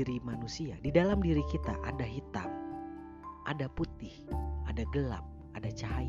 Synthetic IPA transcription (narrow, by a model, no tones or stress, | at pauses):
ɾimanusiadidalamdiɾikit̪a̰ʔadaɦit̪a̰ŋ | ʔadaput̪ɪhʔadaɡəla̰p̚ | ʔadat͡ʃaɦa